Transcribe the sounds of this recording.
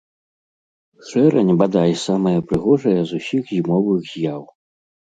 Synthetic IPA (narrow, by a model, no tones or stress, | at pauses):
ʂɛɾɐ̰nʲbad̪ajsamɐjɐpɾɨɣɔʐɐjɐzusʲixzʲimɔvɨɣzʲjaw